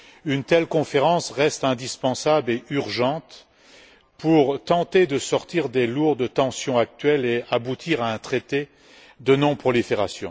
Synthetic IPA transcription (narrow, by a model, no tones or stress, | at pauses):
ynt̪ɛlkɔ̃feʁɑ̃sʁɛst̪ɛ̃d̪ispɑ̃sableʔyʁʒɑ̃t̪ | puʁt̪ɑ̃t̪ed̪əsɔʁt̪iʁd̪eluʁd̪ət̪ɑ̃sjɔ̃ak̚t̪ɥɛleabut̪ʰiʁaɛ̃t̪χet̪e | d̪ənɔ̃pχɔlifeʁa̰sjɔ̃